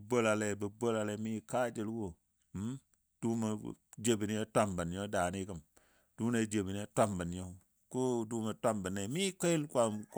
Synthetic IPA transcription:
bo˦la˨le˨bə˨bo˦la˨le˨˦mi˦ka˦d͡ʒi˦lwo˦ | m̩˦m | d̥u˦ma̰˨d͡ʒe˨bi˨ni˦e˦tʷa˦mbə˨n˨ɲo˦da˨ni˦kə˦˨m | d̥u˦ne˦˨d͡ʒe˨bi˨ni˦a˦tʷa˦mbə˨nɲo˦ | ku˦du˦ma˨tʷa˦mbə˨nːe˨˦mi˦ke˦i˦lkʷa˨mk

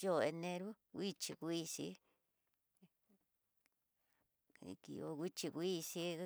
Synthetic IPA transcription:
jo˦˨e˧nẽ˧ɾu˦ | kʷi˦t͡ʃi˧kʷi˦˧sḭ˧˦ | ḭ˧kḭ˧o̰˧kʷi˦t͡ʃi˧kʷi˦˧si˧˦

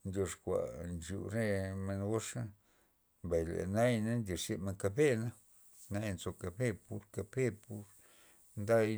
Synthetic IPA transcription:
nd̪ʲjo˧ʂkʷa̰˨nt͡ʃṵ˨ɾe˦me˧nɡo˦ʂa˦ | mba˨jlḛ˨na˦jna˦nd̪ʲi˨ʂe˧me˧ŋka˧be˦na˦ | na˦jnzo˧ka˧be˦pu˧ɾka˧be˦pu˧ɾ | nd̪a˦j

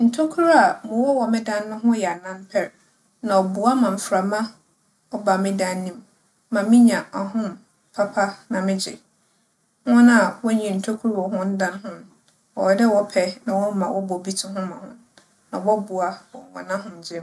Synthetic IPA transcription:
n̩˨tʰo˦kʰu˦ɾa˨mʊ̃˨wɔ˦wɔ˨mɪ̃˦dã˦nː˦ʊ̃˦ɦʊ̃˦jɛ˨a˨nã˦mpʰɛ˨ɾ | nã˨ɔ˨bu˨a˦mã˨m̩˨fɾa˨mã˦ | ɔ˦ba˨mɪ̃˦dã˦nːĩ˦mː | ã˨mɪ̃˦ɲã˨a˨ɦʊ̃˦m | pʰa˦pʰa˦nã˨mɪ̃˦d͡ʑɪ̰˨ | wɔ̃˦na˦˨wɔ˦ɲĩ˨n̩˨tʰo˦kʰu˦ɾwɔ˨hʊ̃˦n̩˦dã˦nɦʊ̃˦n˦ | ɔ˨wdɛ˦wɔ˦pʰɛ˦nã˨wɔ˦mã˨wɔ˦bɔ˨bi˦tʰʊ˦ɦʊ̃˦mã˨hʊ̰̃˦n | nã˨wɔ˦bu˨a˦ɔ˨wɔ̰̃˨nã˦ɦʊ̃˦m˨d͡ʑɪ˦m

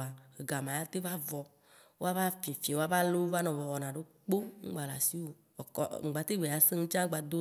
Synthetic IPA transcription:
a˨e˨ɡa˨mã˨ja˦t̪e˦va˦vɔ˨ | wo˦a˦va˦fĩ˨fi˨e˨wo˦a˦va˦lo˦va˦nɔ̃˨vɔ˨wɔ˨nã˨ɖo˦k͡po˦ŋ̩̰˦ɡ͡ba˨la˨si˦wo˨ | ɔ˨kɔ̰˨ŋ̩˨ɡ͡ba˨t̪e˦ɡ͡be˨a˨se˦ŋũ˦t͡ʃa˦ɡ͡ba˨d̪o˦

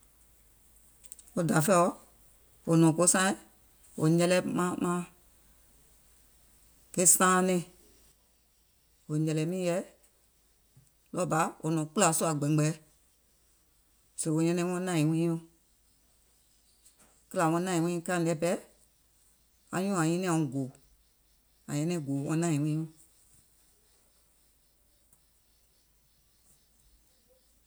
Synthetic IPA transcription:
o˧˦da˨fɛ˦ɔ˦ | o˨nɔ̃˨ko˦sã˦ĩ˦ | o̰˨ɲɛ̃˧lɛ˦mã˧˦mã˦ | ke˦sãː˦nẽ˦˧˨ | wo˨ɲɛ̃˨lɛ˨˦mĩ˦jɛ˨˦ | lɔ˦˨ba˨˦ʔo̰˨nɔ̃ː˨k͡pu˦la˨˦su˦a˨ɡ͡bɛ̃˨ɡ͡bɛ˨˦ | se˨o˧˨ɲɛ̃˧nɛ̃˧˦wɔ̃˧˦nã˦˨ĩ˨wĩː˦õ˧ | kə˦la˨w̃ɔ̃˧˦nã˦˨ĩ˨wĩː˦˨˦kã˦˨lɛ˨˦bɛ˦ | ã̰˨ɲũ˦˨ã˨ĩ˦nɛ̃˦˨ɔ̃˨ɡo˨ | ã˨ɲɛ̃˧˦nɛ̃˧˦˨ɡoː˨wɔ̰̃˧˦nãː˦˨ĩ˨wĩː˦õ˧˦

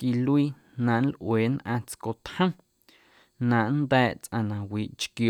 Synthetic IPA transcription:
ki˧lwiː˧ | nã˨ʔn˦lʔweː˨nʔã̰ː˧t͡sko˨t̪hə̃˦ | nã˨ʔnd̪ɛː˦˧ʔt͡sʔã̰˧˨nã˨wiː˨ʔt͡ʃkjo˨

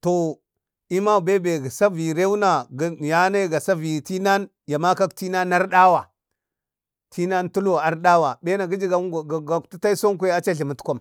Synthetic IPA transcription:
to˨ | i˦ma˦˨be˦be˨ɡa˨sa˦vi˨ɾe˦u˦na˨˦ja˦na˦ɡa˨sa˦vi˨ti˦na˦n | ja˨ma˦ka˦kti˦na˦nːa˦ɾɗa˦wa˨ | tʰi˦na˦ntu˦lo˨a˨ɾɗa˦wa˨be˦na˨ɡi˦d͡ʒi˦ɡa˨˦˨ɡa˨ktu˦ta˦i˦so˦ŋkʷe˦a˦t͡ʃa˦ɬi˨mu˨tkʷo˦m

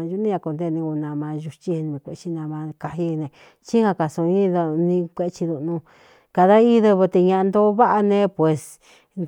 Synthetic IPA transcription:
ʒu˧˦nĩ˦ã˧ko˧nd̪e˧nĩ˧u˧nã˧mã˧ʒu˧t͡ʃi˦˧nũ˧ẽ˧kʷe˧t͡ʃi˧nã˧mã˧ka˧ɦi˦˧nẽ˧ | t͡ʃi˦hã˧ka˧sõ˧ĩ˦ðnĩ˧kʷe˧t͡ʃi˧ðu˧ʔnũ˧ | ka˧˨ða˦i˦ðɨ˧βɨ˧t̪e˧ɲã˧a˧nd̪o˦βa˦ʔa˧nẽ˧˦pwe˨s

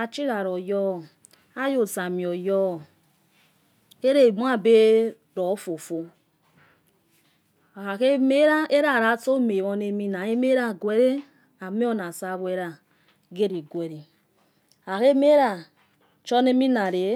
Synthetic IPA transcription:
a˨t͡ʃi˦ɾa˨ɾo˨jɔ˦˨ | a˦jo˨sa˨mi˨o˨jɔ˦˨ | e˦ɾe˨m˦a˦be˦ | ɾɔ˨˦fo˨fo˦˨ | a˨ke˦me˦ɾa˦e˦ɾa˦˨ɾa˨to˦me˨βɔ˦ne˦mi˦na˨je˦me˦ɾa˦˨ɡwe˦ɾe˦ | a˨me˦o˦na˨sa˦βo˦e˦ɾa˨ | ɡe˦ɾi˨ɡwe˨ɾi˨ | a˨ke˦me˦ɾa˨ | t͡ʃɔ˦ne˦mi˦na˨ɾe˨˦

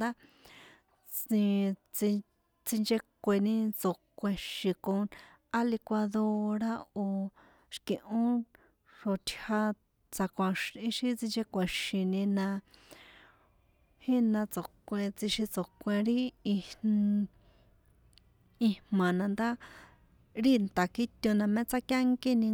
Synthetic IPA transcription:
d̪a˦ | t͡sĩ˧t͡si˧ | t͡si˧nd͡ʒe˧kʷe˧nĩ˧t͡so˨kʷẽ˧ʃĩ˧kõ˧ | a˦li˧kʷa˧ðo˧ɾa˦˧o˨ | ʃkĩ˧ʔõ˦ | ʂo˧t̪ʲʰha˧ | t͡sa˧kʷã˧ʃĩ˧˦ʃĩ˧t͡sĩ˧nd͡ʒe˧kʷẽ˨ʃĩ˨nĩ˧nã˧ | hĩ˦nã˧t͡so˨kʷẽ˧t͡si˧ʃi˧t͡so˨kʷẽ˧ɾi˦i˧ | i˧mã˨nã˧nd̪a˦ | ɾi˦nt̪a˨ki˦t̪ʲo˧nã˧mẽ˦t͡sa˦kja˦ŋki˦nĩ˧

